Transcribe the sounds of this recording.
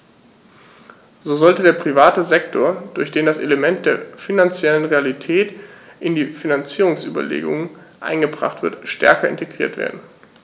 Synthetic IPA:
zoːzɔltədeːɐpʁ̥ivaːtəzɛktʰoːɐd̥ʊɐçd̥eːndaseləmɛnt̚d̥eːɐfinant͡sjɛlənʁealitʰɛːtʔɪndiːfinant͡siːʁ̞ʊŋsʔy̰ːbɐ̰lḛːɡʊ̰ŋən | ʔa̰ɪnɡəbʁa̰χtv̥ɪ̰ɐtʃtɛ̰ɐkɐɪ̰nteɡʁiːɐtv̥ḛːɐdn̩

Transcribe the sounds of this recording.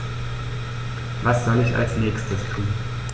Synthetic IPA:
vasz̥ɔlɪça̰lsnɛːçstʰəstʰuːn

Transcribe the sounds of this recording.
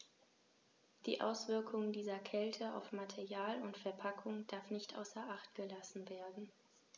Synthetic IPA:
d̥ḭːʔa̰ʊsv̥ɪɐkʰʊŋdiːzɐkʰɛltʰəa̰ʊfmatʰɛɐjaːlʊntfɛɐpʰakʰʊŋd̥aɐfnɪçtʔa̰ʊsɐʔaχt̚ɡ̥əlasn̩veːɐdn̩

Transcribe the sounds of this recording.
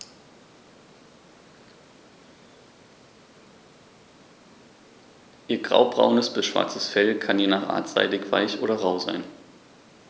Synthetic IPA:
ʔiːɐɡʁa̰ʊbʁa̰ʊnəsb̥ɪsʃv̥a̰ɐt͡səsfɛlkʰanjeːnaːχʔa̰ːɐtz̥a̰ɪdɪkv̥a̰ɪçʔo̰ːɾɐʁaʊza̰ɪn

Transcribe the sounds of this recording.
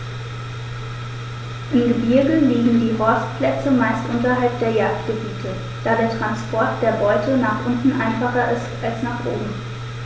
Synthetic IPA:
ʔɪmɡəbɪɐɡəliːɡŋ̩diːɦɔɐstpl̥ɛt͡səmaɪstʔʊntɐɦalp̚d̥eːɐjaːk̚t̚ɡ̥əbiːtʰə | d̥aːɾeːɐtʁ̥anspʰɔɐt̚d̥eːɐbɔʏtʰənaːχʔʊntn̩ʔaɪnfaχɐʔɪstʔalsnaːχʔo̰ːbm̩

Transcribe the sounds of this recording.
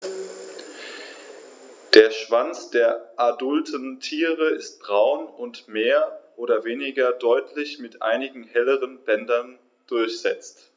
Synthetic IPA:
d̥eːɐʃv̥ant͡sd̥eːɐʔadʊltən̩tʰiːʁəɪst̚b̥ʁaʊnʊntmeːɐʔoːdɐveːnɪɡɐdɔʏtʰlɪçmɪtʔa̰ɪnɪɡŋ̩hɛləʁənbɛndɐn | d̥ʊɐçz̥ɛ̰t͡st

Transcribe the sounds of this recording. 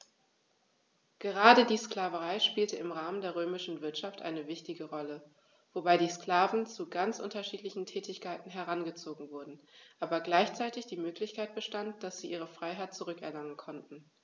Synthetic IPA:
ɡ̥əʁaːdədiːsklaːvəʁaɪʃpiːltəɪmʁaːməndeːɐʁ̞øːmɪʃn̩vɪɐtʃaftʔa̰ɪnəvɪçtɪɡəʁɔlə | v̥obaɪɾiːskl̥aːvn̩t͡suɡant͡sʔʊntɐʃiːtlɪçn̩tʰɛːtɪçkʰaɪtn̩ɦɛɐʁ̞anɡət͡soːɡŋ̩vʊɐdn̩ʔaːbɐɡlaɪçt͡saɪtɪçd̥iːmøːklɪçkʰaɪt̚b̥əʃtantd̥asz̥iːʔiːʁəfʁ̥aɪɦaɪt̚t͡suʁʏkɛ̰ɐlaŋənkʰɔntn̩

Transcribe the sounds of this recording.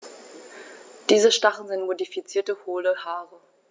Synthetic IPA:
d̥iːzəʃtaχn̩zɪntmodifit͡siːɐtəhoːləhaːʁə

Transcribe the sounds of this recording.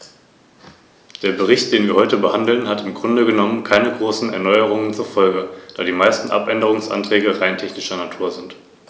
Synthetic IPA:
d̥eːɐbəʁɪçtd̥eːnviːɐhɔʏtəbəhandl̩nhatɪmɡʁʊndəɡənɔmənkʰaɪnəɡʁoːsn̩ɛ̰ɐnɔʏəʁ̞ʊŋənt͡suɐfɔlɡəd̥aːdiːmaɪstn̩ʔa̰pʔɛndəʁ̞ʊŋsʔa̰ntʁ̥ɛːɡəʁaɪntʰɛçnɪʃɐnatʰuːɐzɪnt

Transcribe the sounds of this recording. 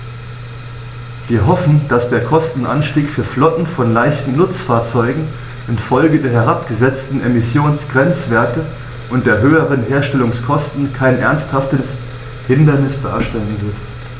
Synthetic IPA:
v̥iːɐɦɔfn̩d̥asd̥eːɐkʰɔstn̩ʔa̰nʃtiːkfyːɐflɔtn̩fɔnlaɪçtn̩nʊt͡sfaːɐt͡sɔʏɡŋ̩ | ʔɪnfɔlɡədeːɐɦɛʁapɡ̥əzɛt͡stn̩ʔemɪsjoːnsɡ̥ʁɛnt͡sv̥eːɐtə | ʔʊnt̚d̥eːɐɦøːəʁənɦeːɐʃtɛlʊŋskʰɔstn̩kʰaɪnʔɛɐnsthaftəs | hɪndɐnɪsd̥a̰ːɐʃtɛlənvɪɐf

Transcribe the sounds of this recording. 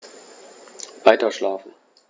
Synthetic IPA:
vaɪtɐʃlaːfn̩

